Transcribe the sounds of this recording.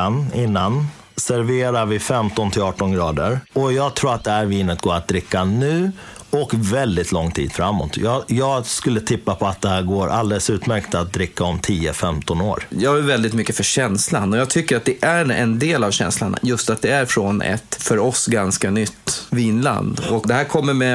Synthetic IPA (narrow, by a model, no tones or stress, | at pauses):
anɪnːan | sæɾveːɾaɾvɪfɛmt̪ɔnt̪ʰɪlɑːʈɔnɡɾɑːd̪əɾɔjɑːɡ̚t̪ʰɾuːɾat̪̚d̪ɛhæːɾviːnət̪̚ɡoːɾat̪̚d̪ɾɪkːanʉ̟ː | ɔkvɛld̪ɪt̪ʰlɔŋːt̪ʰḭːd̪̥fɾamːo̰ːt̪ʰjɑːjɑːɡskɵlːət̪ʰɪpːapʰɔat̪̚d̪ɛhæːɾɡoːɾʔa̰ld̪ɛləsʉ̟ːt̪mæɾkt̪at̪̚d̪ɾɪkːaɔmt̪ʰiːəfɛmt̪ɔnoːɾjɑːɡævɛld̪ɪt̪mʏkːəfœɕɛnslanɔjɑːt̪ʰʏkːəɾat̪̚d̪ɛʔæɾɛ̰nd̪eːlavɕɛ̰nslana̰jɵst̪at̪̚d̪ɛæɾfɾɔnɛ̰t̪fœɾɔsɡanskanʏt̪ːviːnla̰nd̪ɔkd̪ɛɦæːɾkʰɔmːəɾmɛ